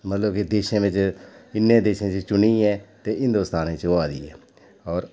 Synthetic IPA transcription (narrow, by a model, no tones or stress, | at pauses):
mət̪ləbkid̪eːʃẽːʋɪt͡ʃɪnːẽːd̪eːʃẽːt͡ʃt͡ʃʊniːɛːt̪eːɦɪ̃nd̪oːst̪aːnẽt͡ʃoaːd̪ḭːɛ̰ː | ɔːɾ